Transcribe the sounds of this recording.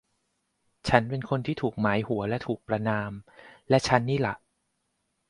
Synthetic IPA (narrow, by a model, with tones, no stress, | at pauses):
t͡ɕʰa˦˥npe˧nkʰo˧nt̪ʰiː˥˩t̪ʰuː˨˩k̚maː˩˦jhu˩˦ɐlɛ˦˥t̪ʰuː˨˩k̚pɾa˧naː˧mlɛ˦˥ʔt͡ɕʰa˦˥nːiː˥˩la˨˩ʔ